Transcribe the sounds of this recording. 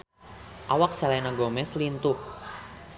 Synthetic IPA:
ʔawak̚salajnaɡomɛslint̪uh

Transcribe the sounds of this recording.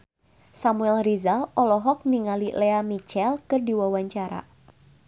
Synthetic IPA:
samuɛlrizalɔlɔɦɔk̚niŋalileamit͡ʃɛlkɨrdiwawaɲt͡ʃaɾa̰

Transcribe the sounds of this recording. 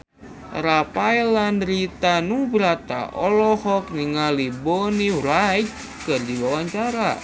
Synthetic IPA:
ɾapajlandɾit̪anubɾat̪a̰ʔɔlɔhɔkniŋalibɔniɾajt͡ʃ | kɨrdiwawaɲt͡ʃaɾa̰

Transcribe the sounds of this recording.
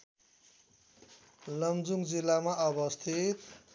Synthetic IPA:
lʌmd͡zuŋd͡zilːamaʔʌbʌst̪ʰit̪

